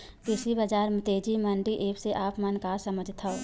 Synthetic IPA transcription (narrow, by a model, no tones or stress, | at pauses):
pɪsibɐd͡ʒaːɾmt̪eːd͡ʒimɐ̃ɳɖiʔeːpseʔaːpmɐnkaːsɐməd͡ʒʱt̪ʰao